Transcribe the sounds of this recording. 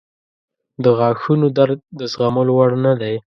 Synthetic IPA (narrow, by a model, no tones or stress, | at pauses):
d̪əɣɑxunod̪aɾdd̪əsɣaməlowaɽnad̪aj